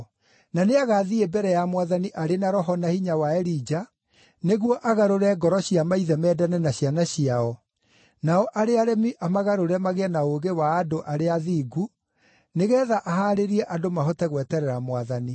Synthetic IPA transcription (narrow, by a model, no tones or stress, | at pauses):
naneaɣaðiebɛɾɛjamwaðaniʔaɾenaɾɔɦɔnahiɲawaɛɾid͡ʑa | neɣwɔʔaɣaɾoɾɛɡɔɾɔɕijamaiðɛmɛːdanɛnaɕianaɕiaɔ | naɔʔaɾeaɾɛmiʔamaɣaɾoɾɛmaɣeanaoɣewaːdoʔaɾeaðiːɡu | neɣɛːðaʔaɦaːɾeɾiɛʔadomaɦɔtɛɣwɛtɛɾɛɾamwaðani